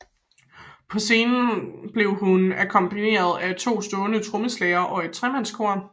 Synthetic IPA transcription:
pʰɒ̽se̝ːnn̩b̥le̝ʊɦunækʰɒ̽mb̥ine̝̰ːɐð̞ˠæt͡sʰo̝̰ːsd̥ɔ̽ːnət͡sʰʁoməslɛːɐʔɒ̽e̝d̥̚t͡sʰʁɛmæn̰skʰo̝ɐ̰

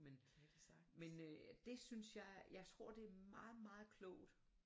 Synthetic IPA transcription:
men | mend̥e̝synsjɑ̈ɪjɑ̈ɪt͡sʰʁo̝ɐ̰d̥e̝æɐmɑ̈ːð̩ˠmɑ̈ːð̞̩ˠkʰlɔʊd̥

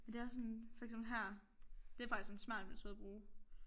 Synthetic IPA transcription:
mend̥e̝ɒsɔnfɒ̽ɡ̥emb̥l̩ɦæɐ̰d̥e̝æfɑɡ̥isksɔ̽n̩smæɐ̰d̥̚mænt͡sʰøð̰ˠb̥ʁuː

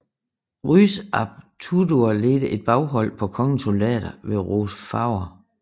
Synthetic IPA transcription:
ʁysɑb̥̚t͡sʰudoɐled̥əʔe̝d̥̚b̥ɑ̈ʊɦɒ̽l̰pʰɒ̽kʰɒ̽ŋət͡sʰolɛ̰ːd̥ɐʋe̝ʁosfɑ̈ʊ̰ɐ

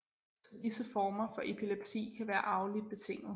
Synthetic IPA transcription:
disəfɒːmɐfɒ̽ʔe̝pʰile̝b̥sḭːkʰæʋæːɐʔɑ̈ʊlid̥̚b̥e̝t͡sʰe̝ŋ̰̩

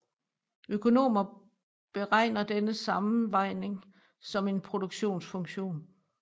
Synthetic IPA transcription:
ʔøkʰo̝no̝̰ːmɐ | b̥e̝ʁɑ̈ɪ̰nɐd̥enəsɑ̈m̩ʋɑ̈ɪ̰ne̝ŋ | sɒ̽me̝npʰʁo̝d̥oɡ̥ɕo̝̰ːnsfɔ̽ŋɕo̝̰ːn

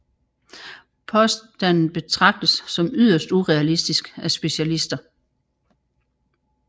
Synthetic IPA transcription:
pʰɒ̽sd̥ænn̩b̥e̝t͡sʰʁɑ̈ɡ̥̚d̥əsːɒ̽myð̰ˠɐsd̥uʁɛælisd̥isɡ̥æsb̥e̝ɕælisd̥ɐ

